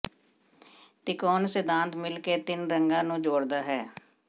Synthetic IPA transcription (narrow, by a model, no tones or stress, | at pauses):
t̪ɪkɔːnsɪd̪ãːnt̪mɪlkeːt̪ɪnɾəŋɡãːnũːd͡ʒoːɽd̪aːɦɛː